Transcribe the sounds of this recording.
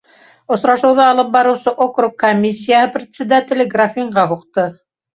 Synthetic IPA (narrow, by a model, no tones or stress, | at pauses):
ŏsɾɑʃɤ̆wðɑɑlˠɤp̚bɑɾɤ̆wsɤʔokrukːomʲːisʲːijahɤprʲɪt̪sʲɪd̪at̪ʲɪlɘɡrafʲiɴɢɑɦuqt̪ɤ